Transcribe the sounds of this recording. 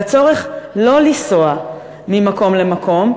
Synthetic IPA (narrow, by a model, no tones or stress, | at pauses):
t͡so̞ʁeχlo̞lisoa | mimako̞mlemakʰo̞m